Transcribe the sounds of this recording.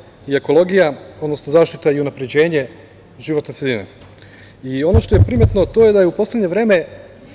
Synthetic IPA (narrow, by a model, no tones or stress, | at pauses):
ie̞ko̞lˠo̞ɡijao̞d̪no̞snozaːʃt̪it̪aiunapɾed͡ʑe̞ːɲe̞ | ʒiʋo̞t̪nesʲed̪inḛ | io̞noʃt̪o̞jepɾimet̪not̪o̞je̞d̪ajeupo̞slʲed̪ɲe̞ʋɾe̞ːme̞